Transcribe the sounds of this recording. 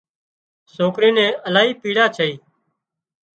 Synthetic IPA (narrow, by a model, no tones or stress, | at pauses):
soːkɾĩːnɛ̃ːəlaːɦiːpiːɽaːt͡ʃʰəiː